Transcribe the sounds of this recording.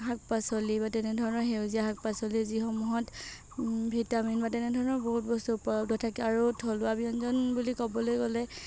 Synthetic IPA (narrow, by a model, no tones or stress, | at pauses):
ɦak̚pasɔlibatɛnɛdʱɔɹɔnɔɹɦewziaɦak̚pasɔliziɦɔmuɦɔt | bʱitaminbatɛnɛdʱɔɹɔnɔɹbɔɦut̚bɔstupɔdɔtʰakɛaɹutʰɔlʊwabiɔnzɔnbulikɔbɔlojɡɔlɛ